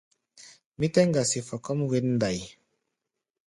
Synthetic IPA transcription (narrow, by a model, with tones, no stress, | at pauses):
mi˦tɛ˦ŋɡa˨si˨fa˨kɔ˦mwe˦nn˦da˨j